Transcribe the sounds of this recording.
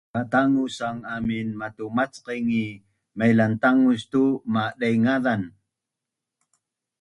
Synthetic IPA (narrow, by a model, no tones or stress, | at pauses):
kat̪aŋusaŋaminmatumat͡sqiŋi | majlant̪aŋust̪umaɗajŋaðan